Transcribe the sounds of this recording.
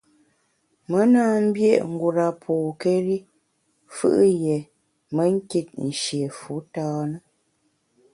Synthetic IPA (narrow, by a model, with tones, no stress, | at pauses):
mə˦naː˦m̩˦bje˦˨ʔŋ̩˨ɡu˨ɾa˨pʰoː˨ke˦ɾi˦ | fɯ̰˦ʔje˨ | mə˦ŋ̩˦ki˦t̚n̩˨ʃje˨fu˨˦tɔː˦nə˦